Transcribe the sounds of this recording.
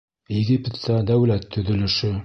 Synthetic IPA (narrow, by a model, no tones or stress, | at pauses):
jɪɡipʲet̪t̪ɑd̪æwlæt̪ʰːɵ̆ðɵ̆lɵ̆ʃɵ